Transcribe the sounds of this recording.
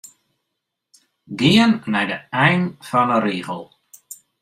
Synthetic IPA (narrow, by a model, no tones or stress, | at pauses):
ɡɪənːɛjdəɛjnfɔnəɾiːɣəlˠ